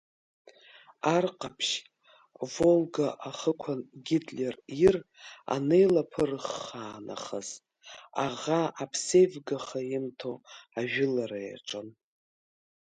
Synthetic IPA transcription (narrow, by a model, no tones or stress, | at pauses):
arqʼapʰʃ | volɡaʔaχəkʷʰanɡʲitʼlʲerira̰nejlapʰɨrχaːna̰χəz̥ | aʁaapʰsejvɡaχajɪmtʰoaʒᶣɪlaɾaja̰ʈ͡ʂʼɨn